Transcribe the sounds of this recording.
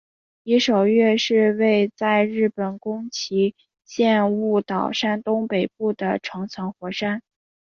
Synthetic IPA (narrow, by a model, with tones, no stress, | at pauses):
i˧˥ʂo˨˩ʊɥɛ˥˧ʂɻ̩˥˧we˥˧ɪt͡sa˥˧ɪɻɻ̩˥˩pə˨˩nkʊ˥ŋt͡ɕʰi˧˥ | ɕjɛ˥˧nu˥˩t̪ɑ˨˩ʊʂa˥nt̪ʊ˥ŋpe˨˩ɪp̚u˥˩d̪ə˩ʈ͡ʂʰɤ˧˥ŋt͡sʰɤ˧˥ŋxwɔ˧˥ʂa˥n